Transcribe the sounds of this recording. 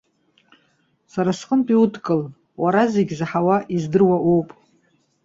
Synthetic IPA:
saɾasqʼəntʼiutʰkʼɨl | waɾazeɡʲzaħawaʔizdɨrwaʔowpʼ

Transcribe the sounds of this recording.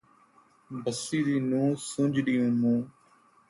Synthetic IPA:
bəsiːd̪iːnũːsʊ̃d͡ʒɗiːjũːmũː

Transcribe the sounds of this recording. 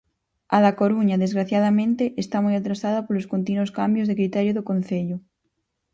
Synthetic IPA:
aðakoɾuɲaðezɣɾaθjað̞amẽnt̪eʔest̪amujat̪ɾasaðapoloskont̪inuoskambjozðekɾit̪ɛɾjoðokõn̟θeʎʊ

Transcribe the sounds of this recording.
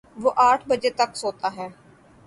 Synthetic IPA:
ʋoːʔaːʈʰbəd͡ʒeːt̪əksoːt̪aːɦɛː

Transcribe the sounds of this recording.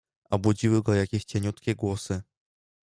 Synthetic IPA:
ɔbud͡ʑiwɘɡɔjakʲɛɕt͡ɕɛɲut̪kʲɛɡwɔsɘ

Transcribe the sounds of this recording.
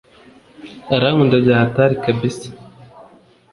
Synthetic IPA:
aɾaŋundabaːataɾikabisi̥

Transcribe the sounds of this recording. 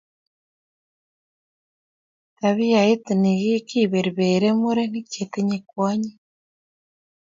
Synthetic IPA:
taβijaitiniɣikiβeɾiβeːɾemuɾeniceteɲekwaːɲe

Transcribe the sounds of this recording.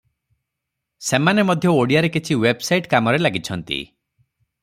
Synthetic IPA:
semanemɔd̪ʱjɔoɽijaɾekit͡ʃʰiwebsajʈkamɔɾelaɡit͡ʃʰɔnt̪ḭ

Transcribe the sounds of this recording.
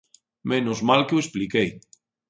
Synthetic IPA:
mẽnozmalkeuesplikej

